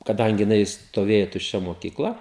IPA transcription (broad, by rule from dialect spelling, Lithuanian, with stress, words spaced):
kɐˈdɐŋʲɡʲɪ jɪˈnɐɪ stoːˈʋʲeːjɛ tʊʃʲˈt͡ʃʲɛ moːkʲɪkˈlˠɐ